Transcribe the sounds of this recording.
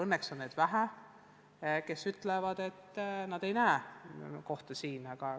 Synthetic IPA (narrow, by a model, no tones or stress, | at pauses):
ɤnːekso̞nːed̪̥væɦæ | ke̞syt̪ˑlevɑd̪̥e̞t̪ːnɑd̪̥e̞jnæːko̞ht̪ɑsiːnɑɡ̥ɑ